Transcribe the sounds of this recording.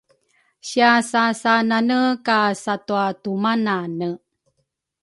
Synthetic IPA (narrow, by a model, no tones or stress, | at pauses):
ɕiasasananəkasatuatumananə